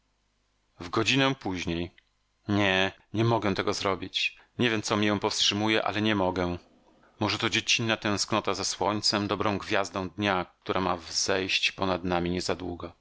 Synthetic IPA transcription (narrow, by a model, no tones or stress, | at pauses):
vɡɔd͡ʑinɛ̃puʑɲej | ɲɛɲɛmɔɡɛt̪ɛɡɔzɾɔbʲit͡ɕ | ɲevʲjɛmt̪sɔmʲijɛ̃pɔfstʂɘmujɛʔa̰lɛɲɛmɔɡɛ | mɔʐɛt̪ɔd͡ʑet͡ɕinːat̪ɛ̃w̃sknɔt̪azaswɔɲt̪sɛmd̪ɔbɾɔ̃w̃ɡvʲjazd̪ɔ̃w̃d̪ɲak̚t̪uɾʔamavz̥ɛjɕt͡ɕpɔnad̪namʲiɲɛzad̪wuɡɔ